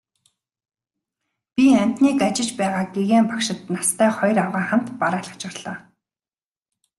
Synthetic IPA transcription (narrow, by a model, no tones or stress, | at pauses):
pʲiam̥ʲt̪niːkat͡ɕɪ̆t͡ɕpæːʁaːɡeɣeːmpakʃɪ̆t̪nast̪ʰæːχɔjrawʁaːχam̥t̪paɾaːɮə̆t͡ɕarɮ̥aː